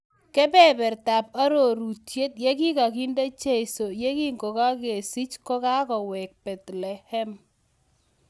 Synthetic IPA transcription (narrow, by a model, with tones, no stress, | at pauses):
kɛ˦bɛ˦bɛ˨rta˨p̚a˦ɾo˨ɾu˨tje˦t̚je˦ki˦ka˨ki˦nde˦t͡ʃe˦i˨so˨je˦ki˦ŋɡo˨ka˦ke˨si˦t͡ʃkɔ˦ka˦kɔ˨wɛ˨k̚b̥ɛ˨t̪lɛ˨hɛ˦m